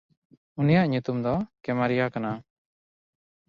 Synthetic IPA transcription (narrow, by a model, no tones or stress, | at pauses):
unijaʔɲut̪umd̪ɔkɛmaɾijakana